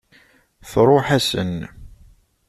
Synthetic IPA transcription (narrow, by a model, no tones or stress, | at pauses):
θɾˤoħæsə̰n